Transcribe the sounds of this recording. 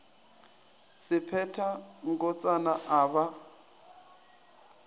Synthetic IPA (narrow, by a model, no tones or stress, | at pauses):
sɪpʰɛtʰaŋ̩kɔt͡sʼanaʔaːβa